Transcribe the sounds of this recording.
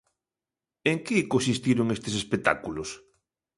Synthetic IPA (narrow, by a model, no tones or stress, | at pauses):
eŋkekons̬ist̪iɾoŋest̪esespek̚t̪a̰kulos